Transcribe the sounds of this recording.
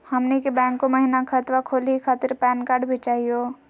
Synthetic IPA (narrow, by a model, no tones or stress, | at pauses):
həmnekebɛ̃ːŋkːoməɦinakʰət̪ʋakʰoːlikʰaːt̪ɪɾpɛːnkaːɾɖbʱit͡ʃaːɦijoː